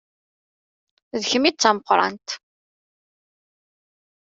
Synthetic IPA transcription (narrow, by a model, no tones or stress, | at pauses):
ðəçəmit͡sːæməqːɾˤɑ̰nt̪